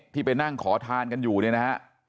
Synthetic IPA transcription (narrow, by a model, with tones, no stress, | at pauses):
k̚t̪ʰiː˥˩pa˧jna˥˩ŋkʰɔː˩˦t̪ʰaː˧nka˧njuː˨˩nɯ˥˩na˦˥ha˦˥ʔ